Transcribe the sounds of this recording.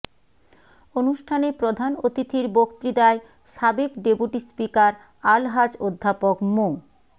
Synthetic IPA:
onuʃʈʰanepɾod̪ʱanot̪it̪ʰiɾbokt̪ɾid̪ae | ʃabekɖepuʈispikaɾ | alɦad͡ʑod̪ʱːapokmo

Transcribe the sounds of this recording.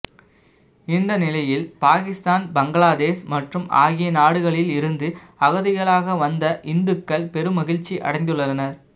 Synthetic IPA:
ɪnd̪ɐnɪlɐjɪlpaːɣɪst̪aːnbɐŋɡɐɭaːðeːsmɐʈrɯma̰ːɣɪjɐnaːɽɯɣɐɭɪlɪɾɯnd̪ɯ | ɐɣɐðɪɣɐɭaːɣɐʋɐnd̪ɐʔɪnd̪ɯkːɐɭpɛɾɯmɐɣɪɻt͡ʃːiʔɐ̰ɽɐɪŋd̪ɯɭːɐɐnɐɾ

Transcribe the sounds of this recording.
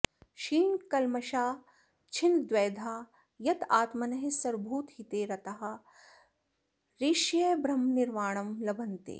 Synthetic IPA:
ʃiːnkɐlmɐʃaː | t͡ʃʰind̪ʋeːd̪ʱaː | jɐt̪aːt̪mɐnɐɦesɐɾbʱuːt̪ɦit̪eːɾɐt̪ɐɦɐ̆ | ɾiːʃjɐbʱɾɐmniɾmaːɳ̃ɐmlɐbɐnt̪ḛː

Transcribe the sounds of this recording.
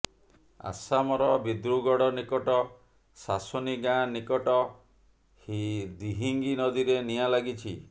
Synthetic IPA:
a̰samɔɾɔbid̪ɾuɡɔɽɔnikɔʈɔ | sasɔniɡãnikɔʈɔ | hid̪iɦiŋɡinɔd̪iɾenialaɡit͡ʃʰi

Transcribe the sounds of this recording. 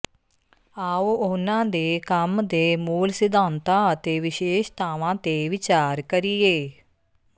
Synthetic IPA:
aːoʊnãːd̪eːkəmd̪eːmuːlsɪd̪ʱaːnt̪ãːət̪eːʋɪʃeːʃt̪ʰaːʋãːt̪eːʋɪt͡ʃaːɾkəɾieː

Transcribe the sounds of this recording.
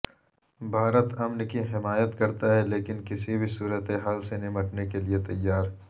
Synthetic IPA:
bʱaːɾət̪ɐmnkiɦɪmaːjət̪kɐɾt̪aɦɛleːkɪnkɪsibʱisuːɾət̪eɦaːlsenɪməʈnekeliet̪ɐjːaːɾɦ

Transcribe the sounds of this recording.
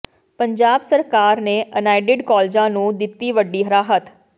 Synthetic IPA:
pəɲd͡ʒaːbsəɾkaːɾneːʔənaːɪɖɪɖkɔːld͡ʒãːnũːd̪ɪt̪ːiːʋəɖːiːɦəɾaːɦət̪

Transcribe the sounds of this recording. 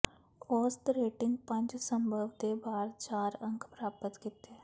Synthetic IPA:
ɔːst̪ɾeːʈɪ̃ŋɡpə̃ɲd͡ʒsəmbʱəʋd̪ebaːɾt͡ʃaːɾə̃ŋkʰpɾaːpət̪kɪt̪eː

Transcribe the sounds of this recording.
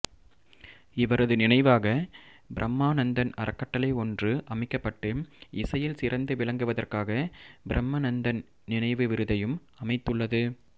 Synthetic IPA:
ɪʋɐɾɐðɯnɪnɐɪʋaːɣɐ | bɪɾʔɐmːaːnɐnd̪ɐnɐ̰ɾɐkːɐʈːɐlɐɪɔndrɯʔɐmɪkːɐpːɐʈːɯɪsɐjɪlsɪɾɐnd̪ɯʋɪɭɐŋɡɯʋɐðɐrkaːɣɐbɪɾʔɐmːɐnɐnd̪ɐn | nɪnɐɪʋɯʋɪɾɯðɐjɯm | ɐmɐɪt̪ːɯɭːɐðɯ

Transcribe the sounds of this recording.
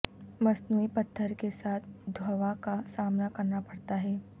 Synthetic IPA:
mɐsnuːipɐt̪ʰːəɾkesaːt̪̚ʰd̪ʱwɐʋakasaːmnakɐɾnapɐɽt̪aɦɛː

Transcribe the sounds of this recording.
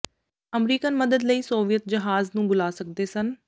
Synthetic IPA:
əmɾiːkənməd̪əd̪ləiːsoːʋijət̪̚d͡ʒəɦaːznũːbʊlaːsək̚d̪eːsən

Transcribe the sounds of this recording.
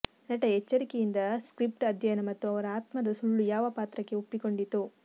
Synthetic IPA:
nɐʈɐɛt͡ʃːɐɾikejind̪ɐskɾip̚ʈɐd̪ʱjɐjɐnɐmɐt̪ːuɐʋɐɾɐaːt̪mɐd̪ɐsuɭːujaːʋɐpaːt̪ɾɐkːe̞upːiko̞ɳɖit̪ːu

